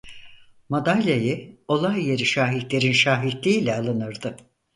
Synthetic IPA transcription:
mad̪alʲjajɯo̞lˠajːe̞ɾiʃaːɦit̪lʲe̞ɾinʃaːɦit̪lʲiːlʲɛalˠɯnɯɾd̪ɯ

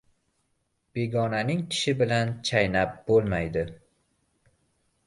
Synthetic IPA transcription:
b̥e̞ɡɒnanɪŋkʲʰɪ̥ʃɪbɪlant͡ʃʰajnap̚b̥olˠmajd̪ɪ

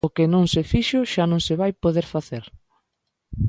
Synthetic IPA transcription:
ʊkɪnõŋsɪfiʃʊʃanõŋsɪβajpoðeɾfaθeɾ

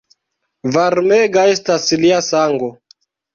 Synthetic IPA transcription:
vaɾmeɡae̞stasliasaŋɡo

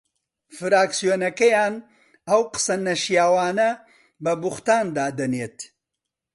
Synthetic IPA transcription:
fɨɾaːksijonɐkɐjaːn | ɐwqə̥sɐnɐʃjaːwɑːnɐ | bɐbʊxt̪aːnd̪aːd̪ɐneːt̪

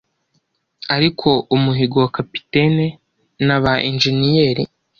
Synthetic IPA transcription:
aɾikʰo̞umuɦiɡowakapi̥tene | naβaʔinʒenijeːɾḭ

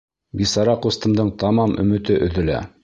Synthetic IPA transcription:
bisɑɾɑqust̪ɤ̆md̪ɤɴt̪ɑmɑmɵ̆mɵ̆t̪ɘʔɵ̆ðɘ̆læ̰

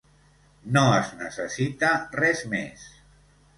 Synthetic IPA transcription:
noəznəsəsit̪arɛzmḛs

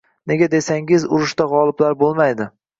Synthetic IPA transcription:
ne̞ɡʲad̪e̞saŋʲɪzʊɾɪʃt̪aʁɒlˠɪblaɾbolˠmajd̪ɪ

